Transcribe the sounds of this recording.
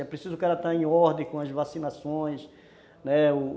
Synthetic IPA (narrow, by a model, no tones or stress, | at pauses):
ɛpɾesizʊkɛɾɐt̪aẽj̃ɔɾd̪ẽkõɐzvasinasõj̃s | nɛʊ